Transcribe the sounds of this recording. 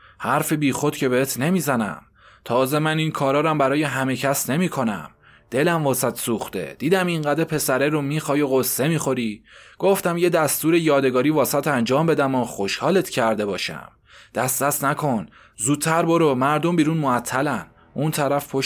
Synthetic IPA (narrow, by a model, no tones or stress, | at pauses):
hæɾfebiːxo̞d̪̥cʰe̞beet̪ʰne̞miːzænæ̰m | t̪ʰɒːze̞mæninkʰɒːɾɒːɾæmbæɾɒːjeɦæme̞cʰæsne̞miːkʰo̞næ̰m | d̪̥e̞læmvɒːsæt̪ʰsuːxt̪e̞̰d̪̥iːd̪æmiŋɢæd̪epʰe̞sæɾeɾomiːxɒːjoɣosːe̞miːxo̞ɾiːɡ̥o̞ft̪æmje̞d̪æst̪uːɾejɒːd̪eɡɒːɾiːvɒːsæt̪ʰænd͡ʒɒːmbe̞d̪æmɒxo̞ʃhɒːlet̪ʰcʰæɾd̪e̞bɒːʃæ̰m | d̪̥æst̪ɾæsnækʰo̞n | zuːd̪̚t̪ʰːæɾboɾomæɾd̪o̞mbiːɾuːnmoæt̪ʰːælæn | unt̪ʰæɾæfpʰo